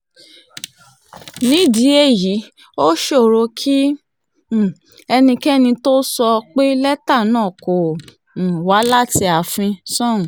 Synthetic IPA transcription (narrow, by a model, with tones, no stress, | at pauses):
nĩ˨˦˨di˨˦e˦˨ji˨˦ | o˦ʃo˦˨ɾo˧˦kʰi˦˨ | ɛ˧nĩ˧kɛ˦nĩ˧to˦sɔ˧k͡pe˦lɛ˦ta˦˨nãː˦˨kõ˨ | wa˨˦la˦ti˧a˨fĩ˧sɔ̃˦˨ũ˨